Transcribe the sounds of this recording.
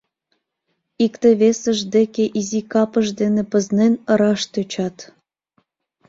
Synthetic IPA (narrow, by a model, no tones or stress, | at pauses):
ikt̪eβesəʒd̪ekeʔizikɑpəʒd̪enĕpə̆znenəɾɑʃt̪øt͡ɕɑt̪